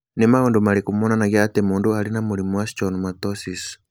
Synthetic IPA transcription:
nemaondumaɾikumɔnanaɣiatemuːndualinamuɾimuwast͡ʃɔnmatɔsis

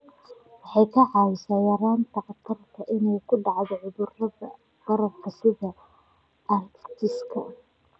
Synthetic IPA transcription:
wɑħɑjkʰɐʕɑːwɪsaːjɐɾaːnt̪ʰɐqɑt̪ʰɐrt̪ʰɐʔɪnɛjkʰʊɖɑʕðɔʕʊðʊrɐðɐ̰ | b̥ɐɾɐb̚kʰɐsɪðɐ | ʔɐrkt̪ʰɪskʰɐ

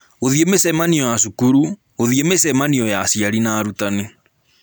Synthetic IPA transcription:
oðiemesɛmaniɔjasukuɾu | oðiemesɛmaniɔjasiaɾinaːɾutane

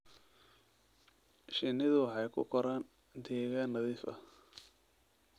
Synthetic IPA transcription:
ʃɪnːɪðʊwɑħɑjkʰʊ̰kʰɔɾaːn | d̪ɛːɣaːnːɐðiːfɐ̰

